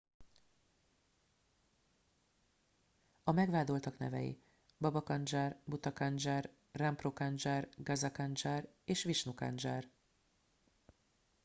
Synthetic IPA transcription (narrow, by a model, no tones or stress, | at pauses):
ɒmɛɡʋaːd̪o̞lt̪ɒknɛ̰vɛ̰jḭ | bɒbɒkɒnd͡ʒaːrbut̪ɒkɒnd͡ʒaːr | ramprokand͡ʒaːrɡɒzɒkɒnd͡ʒaːr | eːʃʋiʃnuka̰nd͡ʒaːr